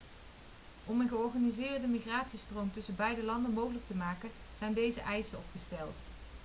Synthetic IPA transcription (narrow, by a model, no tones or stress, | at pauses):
ɔmənχəɔɹχaːnizɪːɹdəmiχraːtsistrowmtɵsəbɛjdəlɑndənmowχələk̚təmaːkən | z̥ɛjndejzəʔɛjsəɔpχəstɛlˠt